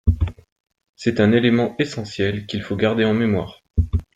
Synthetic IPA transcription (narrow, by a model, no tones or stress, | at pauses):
sɛt̪ɛ̃nelemɑ̃esɑ̃sjɛlkʲilfoɡaʁd̪eɑ̃memwa̰ːʁ